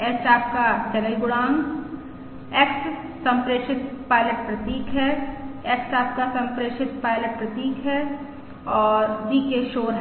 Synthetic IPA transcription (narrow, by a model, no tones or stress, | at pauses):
ɛːt͡ʃaːp̚kat͡ʃɐnəjɡʊɽaːŋ | eks | sɐ̃mpɾeːʃɪt̪̚paːɪləʈ̚pɾɐt̪iːkʰɦɛekst͡ʃaːp̚kasɐ̃mpɾeːʃɪt̪paːɪləʈ̚pɾɐt̪iːkʰɦɛ | ɔːɾdiːkeʃoːɾɦ